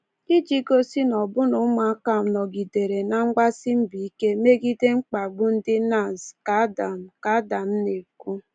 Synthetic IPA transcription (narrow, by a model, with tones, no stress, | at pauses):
i˦d͡ʒi˦ɡo˦si˦nɔ˨bʊ˦nʊ˨˦ma˨˦ka˨m̩˨nɔ˨ɡi˨de˨ɾe˨na˦ŋ͡m̩˦ɡ͡ba˦sɪ˦m̩˦bi˨i˦ke˦me˦ɡi˦de˦ŋ͡m̩˦k͡pa˨ɡ͡bʊ˦n̩˦dɪ˦na˨zka˨˦da˨m̩˨ka˦da˨n̩˦ne˨ku˦